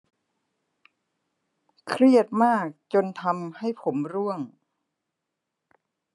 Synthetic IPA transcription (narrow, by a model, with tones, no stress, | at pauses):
kʰɾi˥˩ət̪̚maː˥˩k̚t͡ɕo˧nt̪ʰa˧mha˥˩jpʰo˩˦mɾu˥˩əŋ